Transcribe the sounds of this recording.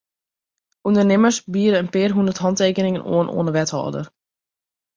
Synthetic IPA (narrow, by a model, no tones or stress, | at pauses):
ʔundərnɪmərsbiəɾəənpɪərɦundərtɦɑnteːkənɪŋəno̰ənʔo̰ənəʋɛthɔ̰ːdə̰r